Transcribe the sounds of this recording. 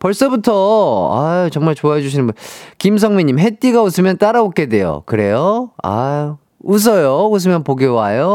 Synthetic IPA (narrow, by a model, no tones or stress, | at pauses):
pʌɭs͈ʌbutʰʌa̰t͡ɕʌŋmaɭt͡ɕoaɦed͡ʑuɕʰinɯnbunkims̬ʰʌŋmiɲːimɦet͈iɡausʰɯmjʌnt͈aɾaok͈ede̞jo̰kɯɾe̞joa̰ | us̬ʰʌjous̬ʰɯmjʌnpoɡewajo